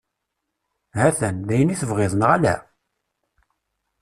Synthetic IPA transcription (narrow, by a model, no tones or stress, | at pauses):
hæθænd̪æjəniθəvʁɪðˤənʁælæ̰